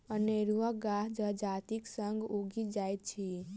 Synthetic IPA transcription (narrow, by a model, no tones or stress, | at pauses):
əneːɾuʋəɡaːɦd͡ʒəd͡ʒaːt̪iksə̃ŋɡuɡid͡ʒaːjt̪t͡ʃʰi